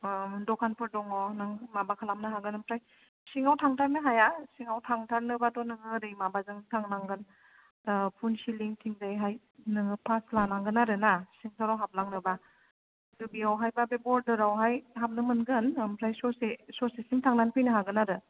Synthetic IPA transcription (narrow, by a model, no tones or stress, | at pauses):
dɔkʰanpʰɯɾdɔŋɔnaŋmabakʰalamnɯɦaɡɯnɯmpʰɾaj | siŋawtʰaŋtʰaɾnɯɦajasiŋawtʰaŋtʰaɾnɯbadɔnɯŋɯɾɯjmabazɯŋtʰaŋnaŋɡɯn | pʰunsiliŋtʰiŋzajɦaj | nɯŋɯpʰaslanaŋɡɯnaɾɯnasiŋsʰawɾawɦap̚laŋnɯba | dɯbiawɦajbabebɔɾdɯɾawɦajɦap̚nɯmɯnɡɯnmpʰɾajsɔsesɔsesiŋtʰaŋnanpʰɯjnɯɦaɡɯnaɾɯ